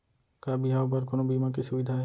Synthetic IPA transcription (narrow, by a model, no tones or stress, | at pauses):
kabiɦaobaɾkonobimak̬esʊbid̪ʱaɦ